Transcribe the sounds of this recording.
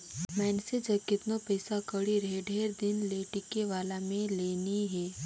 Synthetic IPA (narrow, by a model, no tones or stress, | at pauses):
mɛːnsɪd͡ʒɐb̚kɪt̪nopəɪsakəɽiɾeːɖʱeːɾd̪ɪnleːʈɪkeʋaːlamẽleːniɦɛː